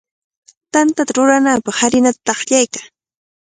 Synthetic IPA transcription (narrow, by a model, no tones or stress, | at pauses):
t̪ant̪at̪aɾʊɾanaːpɑχhaɾɪnat̪ḁt̪ɑχʎajka